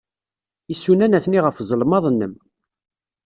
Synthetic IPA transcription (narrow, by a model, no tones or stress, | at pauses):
isːunænæθniʁəfzˤəlmɑðˤnːəm